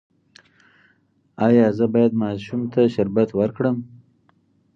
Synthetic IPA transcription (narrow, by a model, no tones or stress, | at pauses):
ɑjɑzəbɑjad̪mɑʃumt̪aʃɪɾbat̪wəɾkɽəm